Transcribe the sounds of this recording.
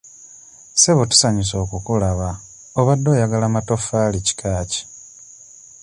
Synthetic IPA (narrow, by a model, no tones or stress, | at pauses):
se̞βotu̥saɲis̬o̞ːkukulaβa | oβadːo̞ːjaɡalamato̞falici̥kʰaːci̥